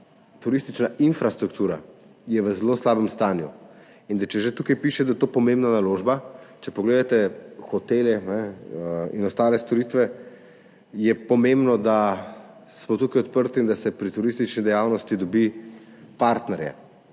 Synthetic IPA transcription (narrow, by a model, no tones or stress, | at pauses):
t̪uɾist̪it͡ʃnaʔinfɾast̪ɾukt̪uːɾa̰ | jɛʋəzɛloslaːbəmst̪aːnju | ind̪at͡ʃɛʒet̪ukajpiʃɛd̪ajɛt̪oːpɔmẽmbnanaloʒbat͡ʃɛpɔɡleːd̪at̪ɛxɔt̪eljɛnɛ | ḭnɔst̪aːlɛst̪ɔɾit̪ʋɛ | jɛpɔmẽmbnɔd̪a | smɔt̪uːkajɔt̪pəɾt̪ind̪asɛpɾit̪uɾist̪it͡ʃnid̪ɛjawnɔst̪id̪ɔbipaɾt̪nɛɾja̰